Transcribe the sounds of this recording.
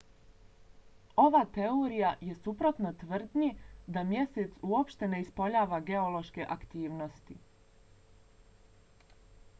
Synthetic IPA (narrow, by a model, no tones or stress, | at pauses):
o̞ʋat̪e̞oɾijaje̞supɾo̞t̪no̞t̪ʋr̩d̪nid̪amje̞set̪suo̞pʃt̪e̞ne̞ispo̞ʎaːʋaɡe̞olˠo̞ʃke̞ʔakt̪iːʋno̞st̪i